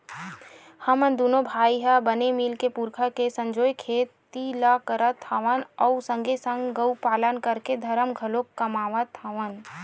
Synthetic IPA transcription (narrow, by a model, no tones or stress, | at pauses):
həmənd̪uːnobʱaːiɦəbənemilkepuɾkʰakesə̃ɲd͡ʒoːjkʰeːt̪ːilakəɾət̪ʰːaʋənɔʊsə̃ŋɡesə̃ŋɡɡəʊpaːlənkəɾked̪ʱəɾəmɡʱəlokːəmaːʋət̪ʰːaʋən